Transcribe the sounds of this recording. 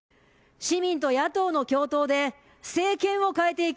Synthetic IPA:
ɕimʲĩnt̪o̞jat̪o̞ːno̞kʲo̞ːt̪o̞ːd̪e̞ | se̞ːkẽ̞ɰ̃o̞kaet̪e̞ik

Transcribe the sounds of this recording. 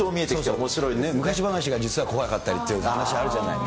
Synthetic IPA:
oːmʲiet̪eoːsomoɕiɾoinemɯ̟kaɕibanaɕ̬iɡad͡ʑit͡sɨβako̞βakat̪ːaɾʲit̪ːeɯanaɕiβaɾɯ̟ʑana̰ḭ

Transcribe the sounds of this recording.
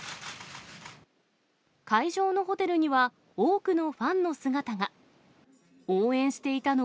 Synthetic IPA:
kaiʑo̞ːno̞ɦo̞t̪e̞ɾɯ̟ɲ̟iβa | oːkɯno̞ɸãnːo̞sɨɡat̪aɡa | oːẽ̞ɰ̃ɕi̥t̪e̞it̪ano

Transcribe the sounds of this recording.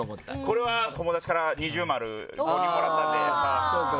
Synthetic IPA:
ko̞ɾe̞βat̪o̞mo̞d̪at͡ɕi̥kaɾaɲ̟iʑɨːmaɾɯ̟̰oioɾat̪ːaeaka

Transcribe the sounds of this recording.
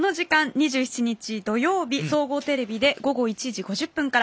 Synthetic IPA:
no̞ʑikãɲɲiʑɨːçi̥t͡ɕiɲ̟it͡ɕid̪o̞jo̞ːbʲiso̞ːɡo̞ːt̪e̞ɾe̞bʲid̪e̞ɡo̞ɡo̞it͡ɕiʑiɡo̞ʑɨpːɯ̟̃ŋkaɾ

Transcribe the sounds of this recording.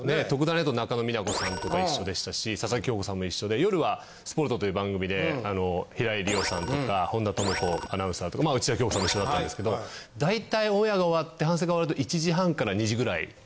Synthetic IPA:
net̪o̞kɯ̟d̪ãnet̪ːonakano̞minako̞sãnt̪o̞kaiɕɕːo̞d̪e̞ɕi̥t̪aɕisasakkʲo̞ːko̞sãmːo̞iɕːo̞d̪e̞jo̞ɾɯ̟βa | sɨ̥po̞ɾt̪o̞t̪o̞jɯbãŋɡɯ̟mʲid̪e̞ano̞çiɾaiɾʲio̞sãnt̪o̞kkahõ̞nd̪at̪omɯko̞anaɯ̃sat̪okamaɯ̟t͡ɕiakʲokosamːoiɕːoat̪ːãnd̪eske̞d̪o̞d̪ait̪aiõ̞ɰ̃jaɡaoβat̪ːe̞hãs̬e̞ɡaoβaɾɯt̪o̞ʔit͡ɕiʑiɦãŋkaɾaɲ̟iʑiɡɯ̟ɾaḭ

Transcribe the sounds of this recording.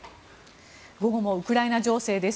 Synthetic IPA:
ɡo̞ɡo̞mo̞ɯ̟kɯ̟ɾainaʑo̞ːse̞ːd̪e̞s

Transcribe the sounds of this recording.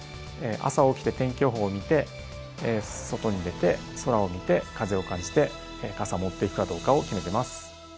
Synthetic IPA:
eʔa̰saoːkʲi̥t̪e̞t̪ẽ̞ŋkʲo̞ːɦo̞ːmʲit̪e̞ | so̞t̪o̞ɲ̟id̪e̞t̪e̞ | so̞ɾao̞mʲit̪e̞kaze̞o̞kãɲ̟d͡ʑi̥t̪e̞ | kasamo̞t̪ːe̞ikɯ̟kad̪o̞ːkao̞kʲime̞t̪e̞masɨ̥

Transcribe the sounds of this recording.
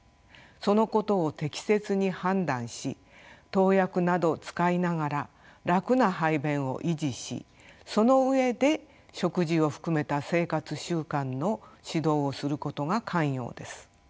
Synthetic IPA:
so̞no̞ko̞t̪o̞ːt̪e̞kʲi̥se̞t͡sɨɲ̟ihãnd̪ãɰ̃ɕḭ | t̪o̞ːjakɯ̟nad̪o̞t͡sɨ̥kainaɡaɾa | ɾakɯ̟naɦaibẽ̞ɰ̃o̞̰ʔiʑiɕḭ | so̞no̞ɯe̞d̪e̞ | ɕo̞kɯ̟ʑio̞ɸɯ̥kɯ̟me̞t̪ase̞ːkat͡sɨɕɨːkãnːo̞ɕid̪o̞ːsɨɾɯ̟ko̞t̪o̞ɡakʰãɰ̃jo̞̰ːd̪e̞sɨ̥

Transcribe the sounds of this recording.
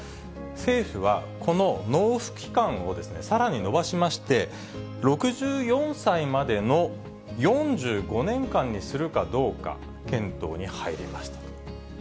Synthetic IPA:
se̞ːɸɯ̟β̞a̰kʰo̞no̞no̞ːɸɯ̟̥kʲi̥kãɰ̃o̞d̪e̞sɨne̞saɾaɲ̟ino̞baɕimaɕi̥t̪e̞ | ɾo̞kɯ̟ʑɨːjõ̞ɰ̃saimad̪e̞no̞ | jõ̞ɲd͡ʑɨːɡo̞nẽ̞ŋkãɲ̟ːisɨɾɯ̟kad̪o̞ːka̰ | kẽ̞nt̪o̞̰ːɲ̟ihaiɾʲḭmaɕi̥t̪ḁ

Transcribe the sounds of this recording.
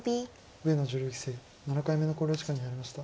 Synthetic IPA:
bʲi | ɯ̟e̞nod͡ʑɨɾɯɡʲi̥se̞ː | nanakaime̞no̞ko̞ːɾʲo̞ːt͡ɕikaɲ̟ːinaɾʲimaɕi̥t̪a

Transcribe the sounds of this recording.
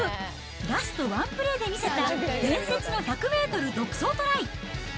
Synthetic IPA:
ɾasɨ̥t̪o̞βãmpɯ̟ɾe̞ːd̪e̞mʲise̞t̪aɡẽ̞ɰ̃se̞t͡sɨno̞çakɯ̟me̞ːt̪o̞ɾɯ̟d̪o̞kɯ̟̥so̞ːt̪o̞ɾai

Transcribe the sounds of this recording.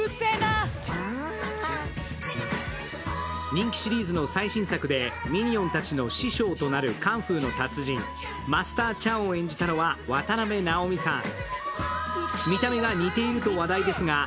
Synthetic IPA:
ɲ̟ĩŋkʲi̥ɕiɾʲiːzɨno̞saiɕĩɰ̃sakɯ̟d̪e̞mʲiɲ̟iõ̞nt̪at͡ɕino̞ɕiɕo̞ːt̪o̞naɾɯ̟kãɰ̃ɸɯ̟ːno̞t̪at͡sɨʑĩŋ | masɨ̥t̪aːt͡ɕãɰ̃oẽ̞ɲ̟d͡ʑit̪ano̞βaβat̪aɾame̞nao̞mʲisã̰ŋ̃ | mʲit̪ame̞ɡaɲ̟it̪e̞iɾɯ̟t̪o̞βad̪aid̪e̞sɨɡa

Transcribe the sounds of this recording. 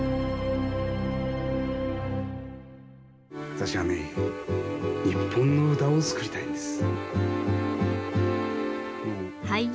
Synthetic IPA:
βat̪aɕiβanḛ | ɲipʰːõ̞nːo̞ɯt̪aot͡sɨ̥kɯ̟ɾit̪aĩnd̪esɨ̥ | hai

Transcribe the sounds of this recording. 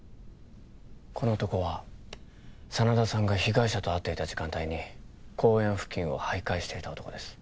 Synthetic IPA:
kʰo̞no̞ːt̪o̞ko̞βa | sanad̪asãŋɡaçiɡaiɕat̪o̞at̪ːeit̪ad͡ʑikãnt̪aiɲ̟ikʰo̞ːẽ̞ɰ̃ɸɯ̟̥kʲːĩɰ̃o̞̰haikaiɕi̥t̪e̞it̪ao̞t̪o̞kod̪esɨ̥

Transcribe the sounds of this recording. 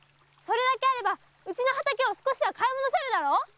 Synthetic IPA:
so̞ɾe̞d̪ake̞aɾe̞ba | ɯ̟t͡ɕino̞ɦat̪akeo̞sɨ̥ko̞ɕiβakaimonose̞ɾɯ̟d̪aɾo̞

